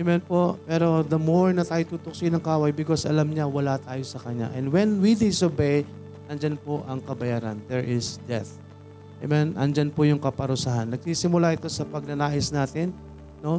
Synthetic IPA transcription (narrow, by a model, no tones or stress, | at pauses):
ʔɛmɛnpo̞pɛɾo̞d̪ɐmoɹnɐt̪aːjot̪uːt̪ʊk̚sɪnɐŋkaːwajbɪko̞sʔɐ̰lamɲawɐlat̪aːjo̞sɐkɐɲa̰ʔɛnd̪wɛnwid̪ɪsobej | ɐnd͡ʒanpo̞ʔɐŋkɐbɐjaːɾɐ̰nd̪ɛɹʔɪsd̪ɛθ | ʔɐ̰mɛnʔɐ̰nd͡ʒanpojʊŋkɐpɐɾʊsaɦanːɐɡ̚siːsɪmʊlaʔɪt̪o̞sɐpɐɡ̚nɐnaːʔɪsnaːt̪ɪnː | o̞